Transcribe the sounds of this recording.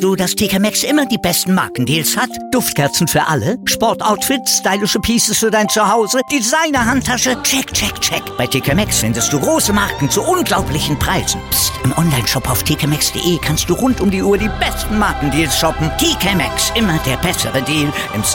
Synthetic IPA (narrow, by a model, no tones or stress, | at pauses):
d̥uːdastʰeːkamɛksʔɪmɐdiːbɛstn̩ma̰ɐkŋ̩diːlshat | d̥ʊftkʰɛɐt͡sn̩fyːɐʔaləʃpɔɐtʔaʊtfɪtstaɪlɪʃəpʰiːsəsfyːɐdaɪnt͡suhaʊzəd̥izaɪnɐɦantʰːaʃət͡ʃɛkt͡ʃɛkt͡ʃɛkb̥aɪtʰeːkʰamɛksfɪndəst̚d̥uːɡʁoːsəmaɐkŋ̩t͡suʔʊnɡlaʊplɪçn̩pʁ̥aɪzn̩b̥ɪstɪmʔɔnlaɪnʃɔpaʊftʰeːkʰamɛksd̥ḛːʔeːkʰanst̚d̥uːʁʊntʊmdiʔuːɐdiːbɛstn̩maɐkŋ̩diːlsʃɔpn̩tʰeːkʰamɛ̰ksʔɪmɐdeːɐbɛsəʁədiːl | ʔɪ̰m